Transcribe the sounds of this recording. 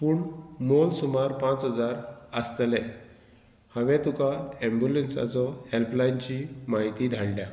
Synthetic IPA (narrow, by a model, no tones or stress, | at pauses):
puːɳmolsumaɾpãt͡sɦəd͡zaɾəst̪lɛ̃ | hə̃ʋɛ̃t̪ukaẽmbjulensa̰t͡sɔhelplaint͡ɕimaɦit̪id̪ʱaɽljã